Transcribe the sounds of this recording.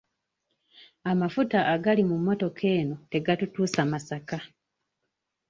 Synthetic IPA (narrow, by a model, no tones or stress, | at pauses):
amafutaʔːɡalimumːo̞to̞kʰe̞ːno̞te̞ɡatutuːsamasaka